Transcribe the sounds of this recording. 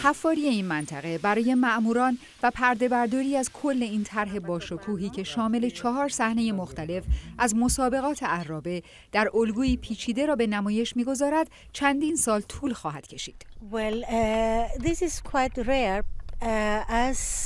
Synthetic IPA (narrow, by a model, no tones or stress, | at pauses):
hæfːɒːɾije̞iːnmænt̪ʰæɣe̞bæɾɒːje̞mæʔmuːɾɒːn | væpʰæɾd̪e̞bæɾd̪ɒːɾiːæzkʰo̞lːe̞iːnt̪ʰæɾɦe̞bɒːʃo̞kʰuːɦiːcʰe̞ʃɒːme̞le̞t͡ʃʰɒɦɒːɾsæhne̞je̞moxt̪æle̞fʔæzmo̞sɒːbe̞ɣɒːt̪ʰeæɾːɒːbe̞ | d̪̥æɾolɡuːiːpʰiːt͡ʃʰiːd̪e̞ɾɒːbe̞næmɒːje̞ʃmiːɡo̞zɒːɾæd̪̥ | t͡ʃʰænd̪iːnsɒːlt̪ʰuːlxɒːɦæd̪̥cʰe̞ʃḭːd̪̥wɛl | ðisizkʰwajt̪ɹeɹ | æz